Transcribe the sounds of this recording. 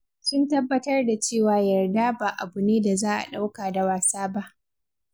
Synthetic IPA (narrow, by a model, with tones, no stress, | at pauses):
sʊ˦ntɐ˦bːɐ˦tɐ˦rda˨t͡ʃeː˦˨waː˨˦jɐ˨rda˦baː˨ʔa˨bʊ˨neː˦da˨zaː˦ʔa̰˨ɗa˦wkaː˨da˨waː˨saː˦ba˦ʔ